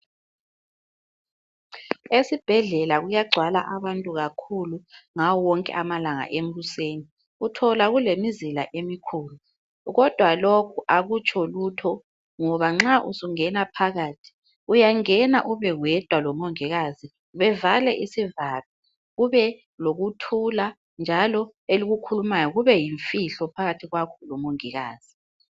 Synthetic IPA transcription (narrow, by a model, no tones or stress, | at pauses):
esib̥ʱɛɮɛlaɣujaɡ͡ǀʱwala̰ʔaβantʼuɣakʰuluŋawɔwɔŋkʼɛ̰ʔamalaŋa̰ʔem̩βuseːni | utʰɔlaɣulemizila̰ʔemikʰuːlu | ɣɔd̥ʱwalokʰuʔaɣut͡ʃʰʼɔlutʰɔ | ŋɔβaŋ͡ǁaʔusuŋɛnapʰaɣaːtʰi̥ | ujaŋɛnaʔuβɛɣwɛd̥ʱwalɔmoŋiɣazi | βɛvalɛʔisivali | ɣuβɛ | loɣutʰula | nd͡ʒʱalɔ | eliɣukʰulumajɔɣuβɛjiɱfiɬɔpʰaɣatʰiɣwakʰɔlɔmoŋiɣa̰ːz̥i